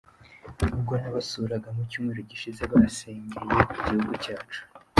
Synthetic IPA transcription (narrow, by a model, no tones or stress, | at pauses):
ub̚ɡo̞naβasuɾaɡamucuːmŋeɾoɟiʃizeβaseːɲɡeɾijekiɟihuɡucaːt͡ʃu̥